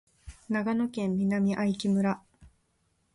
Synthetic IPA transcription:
naɡano̞kẽ̞mːʲinamʲiʔaikʲimɯ̟ɾa

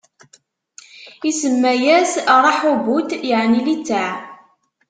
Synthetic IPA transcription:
isəmːæjæsɾˤɑħubut̪jəʕnilit͡sːaʕ

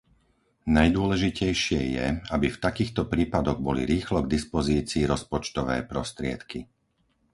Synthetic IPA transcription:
najd̪ʊɔlɛʒicɛjʃɪɛjɛ̰abift̪akiːxt̪ɔpɾiːpad̪ɔɣbɔlḭɾiːxlɔɡd̪ispɔziːt͡siːɾɔspɔt͡ʃt̪ɔʋɛ̰ːpɾɔst̪ɾɪɛ̰t̪ki

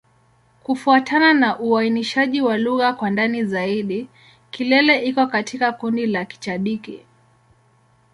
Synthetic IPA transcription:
kufuatʰananaʔuainiʃaʄiwaluɣakwandanizaiɗi | kilɛlɛʔikɔkatʰikakundilaki̥t͡ʃaɗikḭ

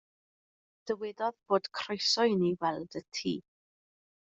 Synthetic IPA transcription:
d̥əwɪdɔðb̥oːd̥kʰr̥ojsɔɨniwɛlˠd̥ətʰḭː

